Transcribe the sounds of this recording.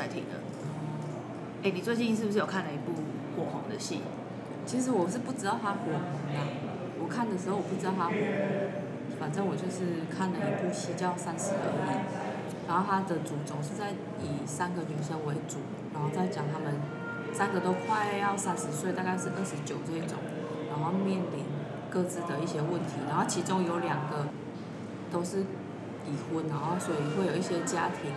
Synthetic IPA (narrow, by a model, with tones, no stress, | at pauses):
a˥˧˩t̪ʰḭ˨˩d̪ə̰˩˥˧ | e˥ɪni˨˩t͡swe˥˧ɪt͡ɕi˥˧nʂ̬ɻ̩˥˩bu˩ʂ̬ɻ̩˥˩jo˨˩kʰa˥˩nlə˩i˧˥pu˥˧ | kwɔ˥˩xɔ̰˧˥ŋd̪ə̰˨ɕḭ˥˩n | t͡ɕʰi˧˥ʂ̬ɻ̩˧˥wɔ˨˩ʂ̬ɻ̩˥˧pu˥˩ʈ͡ʂɻ̩˧˥t̪ɑ˥˩ʊt̪ʰa˦˥knə˨˧˦nma˨˩ | wɔ˨˩kʰa˥˩nd̪ə˩ʂ̬ɻ̩˧o˥ʊwpu˥˩ʈ͡ʂɻ̩˧t̪ɑ˥˧t̪ʰa˦˥xo˨˩˨ | fa˨˩nʈ͡ʂə˥˦ŋwɔ˨˩t͡ɕʰwɛ˥˧ʂɻ̩˥˩kʰa˥˩nlə˨i˧˥pu˥˩ɕi˥˩t͡ɕjɑ˥˧sa˦˥nʂɻ̩˧˦ə˨˧˩a˥˩ | na˨˧˥nxo˥˧ʊt̪ʰa˥d̪ə˨t͡su˨˩t͡sʊ˨˩ŋʂɻ̩˥˧t͡sa˥˩ɪ | i˨˩sa˦˥nɡə˨ny˨˧˩nɕɛ˥nwe˧˥ɪt͡su˨˩˦na˨˧˥nxo˥˧ʊt͡sa˥˩ɪt͡ɕjɑ˨˩ŋt̪ʰa˥mə˨n | sa˦˥nɡə˨t̪o˥ʊkʰwa˥˧ɪ˧jɑ˥˩ʊsa˦˥nʂɻ̩˧˥swe˥˩˨ɪt̪a˥˧ka˥˧ɪʂɻ̩˥˧ʔə˥˩ʂɻ̩˧˦t͡ɕjo˨˩ʊʈ͡ʂi˥˩ʈ͡ʂʊ̰˨˩˦ŋ | ɻa˧˥nxo˥˧ʊmjɛ˥˨˩nli˨˦n | kɤ˥˧t͡sɹ̩˥d̪ə˨i˥˩ɕjɛ˥wə˥˩nt̪ʰi˨˧˦na˧˥nxo˥˩ʊt͡ɕʰi˧˥t͡sʊ˥ŋjo˧˥ʊljɑ˨˩ŋɡə˦ | t̪o˥ʊʂɻ̩˥˩ | i˨˩xə˧˥nna˧˦nxo˥˩swɔ˧˥i˨xwe˥˩jo˨˩ʊi˥˩ɕjɛ˥t͡ɕja̰˥t̪ʰi˧˥˦ŋ